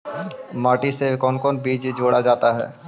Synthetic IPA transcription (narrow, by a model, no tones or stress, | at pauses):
maːʈisekɔːnkɔːnbiːd͡ʒd͡ʒoːɽad͡ʒaːt̪aɦɛ̰ː